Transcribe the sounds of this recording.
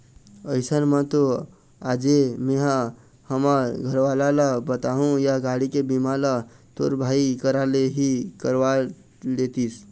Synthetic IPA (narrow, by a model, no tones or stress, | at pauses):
əɪsənmə̃t̪o | ad͡ʒemẽɦã | həmaɡʱəɾʋalalabət̪aɦũjaɡaɽikebimalat̪o̰ɾbʱaːikəɾaleɦikəɾʋa | let̪is